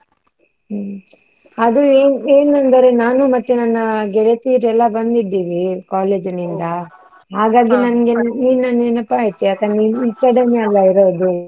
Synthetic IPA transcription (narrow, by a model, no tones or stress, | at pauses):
ɐd̪ueːneːnɐnd̪ɐɾenaːnumɐt̪ːenɐnːɐɡɛɽet̪iːɾɛlːɐbɐnd̪id̪ːiːʋikaːleːd͡ʒɐnind̪ɐ | ɦaːɡaːɡinɐnɐɡenniːnɐneːnɐpːaɦet͡ʃːeɐt̪ɐniːikːɐɽɐniɐlːɐiɾoːd̪u